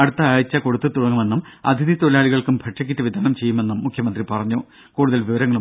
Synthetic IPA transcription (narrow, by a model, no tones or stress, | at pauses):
ɐɽut̪ːɐaːjit͡ɕːɐko̞ɽut̪ːɨt̪uɽɐŋːume̞nːumɐ̰d̪ʱiðit̪olaːɭiɣɐɭkumbʱɐʈʂɐk̬ʲːitːɨʋid̪ʱaːnɐmt͡ɕe̞jːume̞nːumːukʰjɐmɐnd̪ripɐrɐɲːu | kuːɽuðɐlʋiʋɐɾɐŋːɐɭu